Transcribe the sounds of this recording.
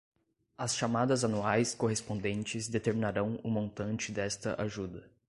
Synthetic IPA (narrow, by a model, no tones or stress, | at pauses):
ɐsʃamad̪ɐzanuajskoɦespõnd̪ẽnt͡ʃɪzd̪et̪eɾminaɾɐ̃w̃ʊmõnt̪ɐ̃nt͡ʃɪd̪ɛst̪ɐʔaʒud̪ɐ